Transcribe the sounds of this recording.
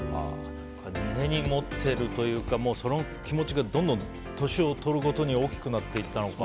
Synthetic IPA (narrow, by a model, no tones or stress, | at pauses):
a̰ | kʰanne̞ɲ̟imo̞t̪ʰːe̞ɾɯ̟t̪o̞jɯ̟ːkamo̞ːso̞no | kʲimo̞t͡ɕiɡad̪õnd̪õ̞n | t̪o̞ɕio̞t̪o̞ɾɯ̟ko̞t̪o̞ɲ̟io̞ːkʲi̥kɯ̟nat̪ːe̞it̪ːano̞ka